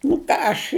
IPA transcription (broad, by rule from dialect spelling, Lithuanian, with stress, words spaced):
nʊ ˈkɑː ɐʃ